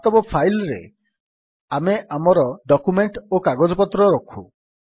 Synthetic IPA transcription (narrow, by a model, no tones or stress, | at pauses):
t̪ɔbɔpʰajlɾḛ | ameʔamɔɾɔɖɔkumeɳʈokaɡɔd͡ʒɔpɔt̪ɾɔɾɔkʰṵ